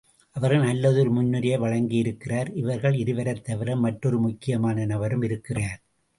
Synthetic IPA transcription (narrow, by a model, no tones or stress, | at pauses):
ʔɐʋɐɾɣɐɭnɐlːɐðɯɔɾɯmʊnːɯɾɐjɐʋɐɻɐŋɡɪjɪɾɯkːɪraːɾɪʋɐɾɣɐɭɪɾɯʋɐɾɐt̪ːɐʋɪɾɐmːɐʈrɔɾɯmʊkːɪjɐmaːnɐnɐʋɐɾɯmɪɾɯkːɪraːɾ